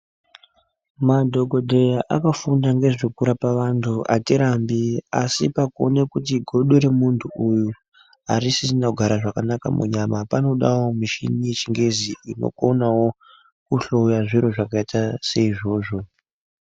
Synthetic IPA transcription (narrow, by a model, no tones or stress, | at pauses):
madʱo̞ɡʱo̞dʱe̞jaʔakafundaŋɡe̞ʐikuɾapaʋantʰua̰tiɾambiasipakuonekutiɡʱo̞ɗoɾe̞muntʰuuju | aɾisinauɡʱaɾaʐakanaka̰mṵɲamapano̞ɗawomiʃḭnijet͡ʃiŋɡe̞ziino̞̰ko̞nawo̞ | kuɬo̞ujaʐiɾoʐakaitase̞iʐo̞ːʐo̞